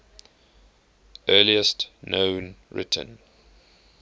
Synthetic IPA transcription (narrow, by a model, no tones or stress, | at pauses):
ʔɜːliəstnõʊnɹɪ̰tʰə̰̃n